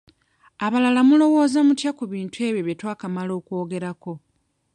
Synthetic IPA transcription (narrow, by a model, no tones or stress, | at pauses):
aβalalamulo̞wo̞ːzamutjakuβiːntʰue̞ːβjoβetwaːkamalo̞ːko̞ːɡe̞ɾako̞